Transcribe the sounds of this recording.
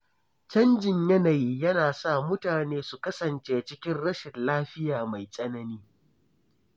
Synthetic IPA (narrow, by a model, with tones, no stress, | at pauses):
t͡ʃɐ˦nd͡ʒɪ˨ɲjɐ˦na˨jiː˦jɐ˦naː˨sa˦˨mʊ˦taː˨neː˦su˨kɐ˦sɐ˨nt͡ʃeː˦t͡ʃɪ˦kʲɪ˦nɽɐ˦ʃɪ˨nlaː˦ɸɪ˦jaː˨ma˨jsʼɐ˦nɐ˦niː˦